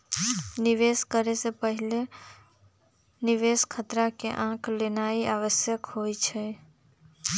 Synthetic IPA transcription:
niʋeskəɾesepəɦile | niʋeskʰət̪ɾakeʔãkʰlenaiaʋəsjəkɦojt͡ʃʰɛ

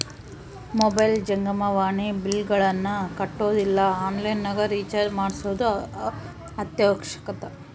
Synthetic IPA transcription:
mɔbɐjld͡ʒɐŋɡɐmɐʋaːɳibilɡɐɭɐnːɐkɐʈːoːd̪ilːɐaːnlɐjnːɐɡɐɾiːt͡ʃɐmaːɽsuːd̪u | ɐt̪jɐːkʂɐ̥kɐt̪ɐ

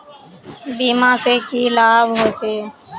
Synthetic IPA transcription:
biːmãːseːkiːlaːbɦoːt̪eː

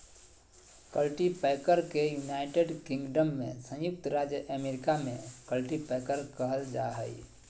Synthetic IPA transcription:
kəlʈipɛkəɾkejunaɪʈeɖkĩŋɡɖəmːḛ̃sə̃jʊk̚t̪ɾad͡ʒjəʔəmeɾikamẽkəlʈipɛkəɾkəɦəld͡ʒaɦəj

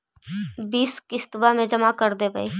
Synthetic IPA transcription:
biːskɪst̪bamẽd͡ʒɐmakəɾd̪ebʱai

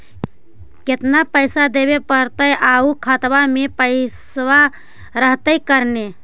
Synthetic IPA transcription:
ket̪napəɪsad̪ebepəɾt̪əjʔaukʰət̪bamepəɪswa | ɾəɦt̪əjkəɾne

